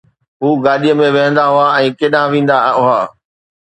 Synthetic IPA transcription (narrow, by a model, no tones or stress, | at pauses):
ɦuːɡaːɗijəmẽʋɐɦə̃nd̪aɦʊaɛ̃ːkeːɗãʋĩːn̆d̪aʊɦaː